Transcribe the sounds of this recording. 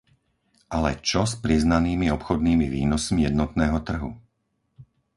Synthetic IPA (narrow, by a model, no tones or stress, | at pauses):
ʔalɛt͡ʃɔspɾiznaniːmiɔpxɔd̪niːmiʋḭːnɔsmijɛd̪nɔt̪nɛːɦɔt̪r̩ɦṵ